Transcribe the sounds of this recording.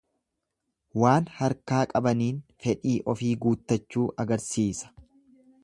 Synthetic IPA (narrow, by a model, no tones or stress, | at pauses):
waːnhɐɾkaːkʼɐbɐniːnfɛᶑiːʔɔfiːɡuːt̪ːɐt͡ʃːuːʔɐɡɐɾsiːsɐ̥